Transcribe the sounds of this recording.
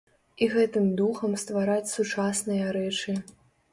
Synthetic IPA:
iɣɛt̪ɨmd̪uxɐmst̪vaɾat͡sʲsut͡ʂasnɨjɐɾɛt͡ʂɨ

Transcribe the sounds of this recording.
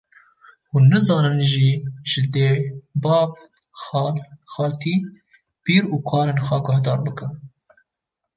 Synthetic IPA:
huːnːɨzɑːnɨnʒiːʒ̥ɪd̪eːbɑːv | xɑːlxɑːlt̪ʰiː | b̥iːɾuːkʰɑːɾeːnxɑːɡɑhd̪ɑːɾbɨkɨn

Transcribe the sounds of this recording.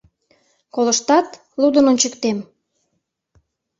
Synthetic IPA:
koləʃt̪ɑt̪ | lud̪ənont͡ɕəkt̪em

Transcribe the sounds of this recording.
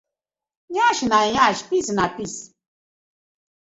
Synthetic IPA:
ɲaʃinaɲaʃpisnapis

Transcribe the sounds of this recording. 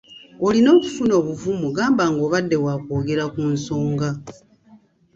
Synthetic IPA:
o̞lino̞ːku̥funo̞ːβuvumuɡaːmbaːŋɡo̞ːβadːe̞waːkoːɡe̞ɾakunso̞ːŋɡa

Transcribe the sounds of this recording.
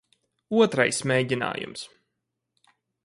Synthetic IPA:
uɔt̪ɾajsmʲeːɟʲina̰ːjṵms

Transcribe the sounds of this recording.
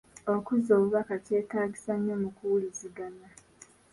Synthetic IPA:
okuzoːβuβakace̞ːtaːɟisaɲːomukuwuliziɡana

